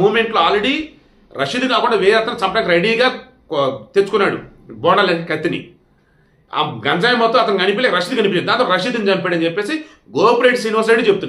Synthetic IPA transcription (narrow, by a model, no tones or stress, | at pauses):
muːmeɳʈloaːlɾeɽiː | ɾɐʂid̪ikaːkuɳɖaːʋɛːjɐt̪ːɐnɐt͡ʃɐmpɐʈaːnkiɾeɽiːɡaː | t̪et͡ʃu̥kunːaːɽṵbɔːɳɐlɐnkɐt̪ːinḭ | a̰ɡɐnd͡ʒaːjɐmɐt̪ːõmɐt̪ɐnɡɐnipileɾɐʃid̪iɡɐnipit͡ʃːɐːd̪aːnt̪ːoɾɐʃid̪ind͡ʒɐmpɛːɽɐnt͡ʃepːe̞ːsi | ɡoːpɾeːʈsiniʋɐɾs̬ieʈit͡ʃebut̪unːa